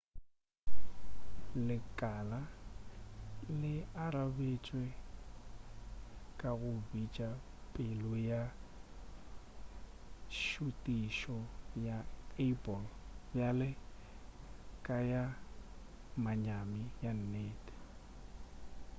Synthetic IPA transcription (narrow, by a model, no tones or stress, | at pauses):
lɪkʼala | lɪaɾabet͡ʃʼwe | kʼaɣʊbit͡ʃʼa | pʼɪlʊja | ʃutʼiʃɔjaɛpʼɔlbjalɪ | kʼaja | maɲamɪjan̩neːd